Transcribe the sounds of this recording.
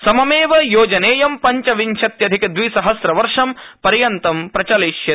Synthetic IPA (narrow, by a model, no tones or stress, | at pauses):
sɐmɐmeːʋɐjoːd͡ʒɐneːjɐmpɐɲt͡ʃɐʋiɲʃʰɐt̪jɐd̪ʱikɐd̪ʋisɐɦɐsɾɐʋɐɾʂɐmpɐɾjɐnt̪ɐmpɾɐt͡ʃɐliʃjɐ